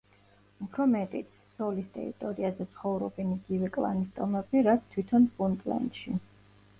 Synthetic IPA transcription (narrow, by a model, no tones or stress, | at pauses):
upʰɾɔmɛt̪ʼit̪ʰ | sɔlist̪ʼɛ̰ɾḭt̪ʼɔɾiazɛt̪sʰχɔvɾɔbɛniɡivɛkʼlˠa̰nist̪ʼɔmɛbiɾat̪sʰt̪ʰwit̪ʰɔnpʼunt̪ʼlɛ̰nd̪ʃi